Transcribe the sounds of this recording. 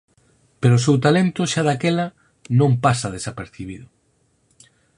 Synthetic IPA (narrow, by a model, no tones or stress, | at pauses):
peɾoːs̬ewt̪alent̪ʊʃaðakelɐ | nõmpasɐð̞esapeɾθiβiðʊ